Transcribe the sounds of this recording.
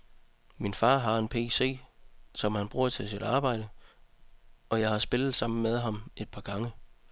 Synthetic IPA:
minfɑ̈ːɦɑ̈e̝npʰe̝̰ːse̝̰ːsɒ̽mhænb̥ʁuːɐ̰t͡sʰe̝lsid̥ɑ̈ːb̥ɑ̈ɪ̰d̥ə | ɒ̽jɑ̈ɪhɑ̈sb̥e̝lð̩ˠsɑ̈m̰n̩með̞ˠɦɑ̈me̝d̥̚pʰɑ̈ɡ̥ɑ̈ŋə

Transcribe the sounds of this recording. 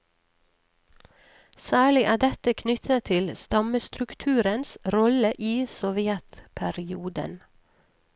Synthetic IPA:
sæːɭɪʔæːɖɛt̪əkʰnʏt̪ʰət̪ʰɪlst̪ɑməst̪ɾʉkt̪ʰʉːɾənsɾɔləʔiːsɔʋɪɛt̪pʰæɾɪuːd̪ə̰n

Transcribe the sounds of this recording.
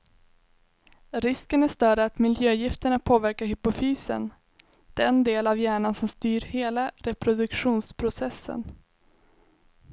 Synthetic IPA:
ɾɪskənæʂt̪œːɖəat̪mɪljøːjɪft̪əɳapʰoːvæɾkaɾɦʏpʊfyːsə̰n | d̪̥ɛnd̪eːlavjæːɳansɔmst̪yːɾheːlaɾɛpɾʊd̪ɵkɧuːnspʰɾʊsɛsːə̰n

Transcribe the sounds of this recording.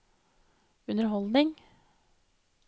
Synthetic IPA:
ʉnəɾɦɔld̪ɪŋ

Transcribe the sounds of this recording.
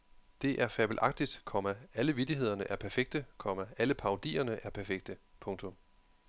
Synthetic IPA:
d̥e̝ʔæɐfæb̥l̩ʔɑ̈ɡ̥̚d̥id̥kʰɒ̽mææləʋid̥iɦe̝ð̞̰ˠɐnəʔæɐpʰæɐfeɡ̥̚d̥əkʰɒ̽mææləpʰɑ̈ʊd̥ḭːɐnəʔæɐpʰæɐfeɡ̥̚d̥əpʰɔ̽ŋt͡sʰɔ̽m

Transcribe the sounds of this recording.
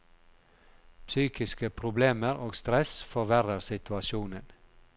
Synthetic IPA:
psyːkɪskəpʰɾʊbleːməɾoːɡst̪ɾɛsfɔɾʋæɾəɾsɪt̪ʰʉɑʃuːnən

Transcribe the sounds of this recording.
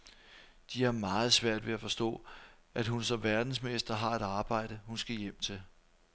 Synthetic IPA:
d̥iæɐmɑ̈ːð̞̩ˠsʋæɐ̰d̥ʋe̝æfɒ̽sd̥ɔ̰̽ːʔæd̥ɦunsɒ̽mʋæɐd̥n̩smesd̥ɐɦɑ̈e̝ɾ̥ɑ̈ːb̥ɑ̈ɪ̰ɾ̥əhunsɡ̥æjem̰t͡sʰe̝l

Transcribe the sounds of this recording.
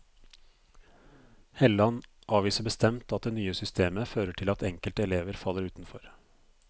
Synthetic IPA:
hɛlɑnʔɑːʋiːsəbəst̪ɛmt̪ɑt̪̚d̪eːnyːəsʏst̪ʰeːməføːɾəʈʰɪlɑt̪ɛŋkəlt̪ɛleːʋəɾfɑlːəɾʉːt̪n̩fɔɾ

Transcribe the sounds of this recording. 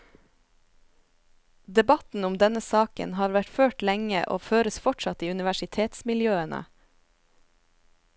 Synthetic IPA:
d̪ɛbɑt̪n̩ʊmd̪ɛnəsɑːkə̰nhɑːɾʋæʈføːʈlɛŋə̰ʔo̰ːføːɾəsfɔʈʃɑt̪iːʉnɪʋæʃɪt̪ʰeːt̪smɪljøːənə̰

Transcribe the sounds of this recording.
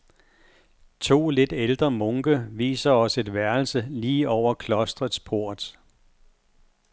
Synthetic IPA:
t͡sʰo̝̰ːle̝d̥eld̥ʁɐmɔŋɡ̥əʋḭːsɐɒ̽səe̝d̥ʋæɐl̩səliːɒʊ̰ɐkʰlɒ̽sd̥ʁɐð̩ˠspʰo̝ɐ̰d̥ˠ

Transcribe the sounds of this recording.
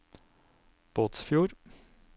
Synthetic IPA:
b̥oːt̪sfjuːɾ

